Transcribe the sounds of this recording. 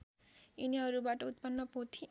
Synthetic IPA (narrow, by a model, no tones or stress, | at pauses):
iniɦʌɾubaʈʌut̪pʌnːʌpot̪ʰĩ